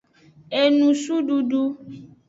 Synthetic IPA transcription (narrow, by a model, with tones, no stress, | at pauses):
e˨nũ˨su˦ɖu˦ɖu˦